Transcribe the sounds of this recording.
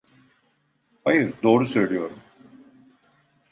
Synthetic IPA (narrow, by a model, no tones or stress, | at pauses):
hajɯɾd̪o̞ːɾusø̞jlʲijo̞ɾum